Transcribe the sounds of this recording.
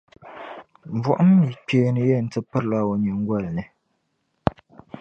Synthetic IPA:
ɱ˨vɔ˨ʔʊ˦m˦mi˨k͡peː˨nɨ˨jɛ˦˨n̩˨˦tɨ˦pə˦ɾla˦˨wo˨ɲɨ˨ŋ˦ɡwa˦˨lnɨ˨

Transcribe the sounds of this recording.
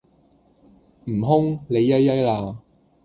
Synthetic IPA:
m̩˨˩ɦʊ˥ŋle˨˧jːɐ˥jjɐ˥jlaː˧

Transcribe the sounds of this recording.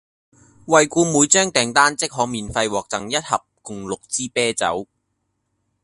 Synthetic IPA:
wɐ˨jkuː˧muː˨˧jt͡ʃœː˥ŋt̪ɛː˨ŋt̪aː˥nt͡sɪ˥k̚ɦɔː˨˧˥miː˨˩nfɐ˧jwɔː˨k̚t͡sɐ˨ŋjɐ˥t̚hɐ˨p̚kʊ˨ŋlʊ˨k̚t͡siː˥pɛː˥t͡sɐ̰˨˥w

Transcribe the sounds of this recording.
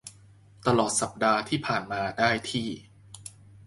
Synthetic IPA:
t̪a˧lɔː˨˩t̪̚sa˨˩p̚daː˧t̪ʰiː˥˩pʰaː˨˩nmaː˧daː˥˩jt̪ʰiː˥˩

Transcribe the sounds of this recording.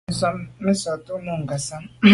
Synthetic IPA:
sa˦mɪ˦sa˨tʊ˦nu˨ŋ̩˨ɡa˨sa˦

